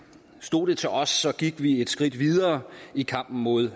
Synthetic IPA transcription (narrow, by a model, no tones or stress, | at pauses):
sd̥o̝ːd̥et͡sʰe̝ɒ̽sːɒ̽ɡ̥iɡ̥ʋie̝d̥sɡ̥ʁid̥ʋiðˠɐːikʰɑ̈m̰b̥n̩mo̝ð̞ˠ